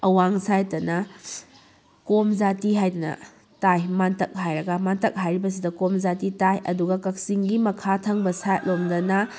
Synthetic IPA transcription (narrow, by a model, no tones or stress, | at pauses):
ɐwaŋsajtɐnɐ | komd͡ʒatiɦajdɐnɐ̰ | tajmantɐk̚ɦajɾɐɡɐmantɐk̚ɦajɾibɐs̬idɐkomzatitajɐ̰duɡɐkɐk̚siŋɡimɐkʰatʰɐŋbɐsajt̚lomdɐnɐ